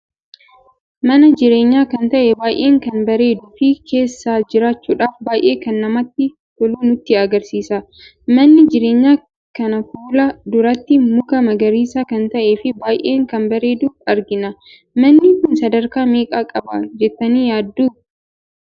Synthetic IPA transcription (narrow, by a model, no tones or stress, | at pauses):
mɐnɐd͡ʒɪɾe̞ːɲːaːkɐnt̪ɐʔɛbaːjʔeːŋkɐnbɐɾe̞ːd̪ʊfɪkʰe̞ːsːaːd͡ʒɪɾaːt͡ʃːuːᶑaːfbaːjʔe̞ːkɐnːɐmɐt̪ːɪ | tɔluːnʊt̪ːɪɐɡɐɾsiːsɐ | mɐnːɪd͡ʒɪɾe̞ːɲːaː | kɐnɐfuːlɐd̪ʊɾɐt̪ːɪmʊkɐmɐɡɐɾiːsɐkɐnt̪ɐʔeːfɪbaːjʔe̞ːŋkɐnbɐɾe̞ːd̪ʊɐɾɡɪnɐ | mɐnːɪkʊnsɐd̪ɐɾkaːmeːkʼaːkʼɐbɐ̰d͡ʒɛt̪ːɐniːjaːd̪ːuː